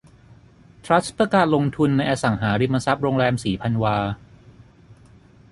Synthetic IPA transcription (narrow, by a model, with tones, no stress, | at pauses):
t̪ʰɾa˦˥t̪pɯ˧kaː˨˩nlo˧ŋt̪ʰu˧nːa˧jʔaː˧sa˩˦ŋɦaː˩˦ɾi˧mːa˧sa˦˥p̚ɾo˧ŋɾɛː˧msiː˩˦pʰa˧nwaː˧